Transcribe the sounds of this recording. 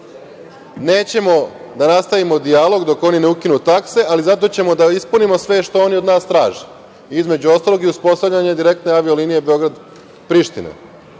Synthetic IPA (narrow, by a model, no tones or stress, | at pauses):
ne̞ːt͡ɕe̞mo̞d̪anast̪aʋimo̞d̪ialˠo̞ɡd̪o̞ko̞nineukinut̪akse̞ʔalizat̪̬o̞t͡ɕe̞mo̞d̪aispunimo̞sʋe̞ʃt̪o̞o̞niod̪naːst̪ɾaːʒe | izme̞d͡ʑuo̞st̪aːlo̞ɡiuspo̞st̪avʎaɲad̪iɾe̞k̚t̪ne̞aʋio̞linije̞be̞o̞ɡɾad̪ | pɾiʃt̪inḛ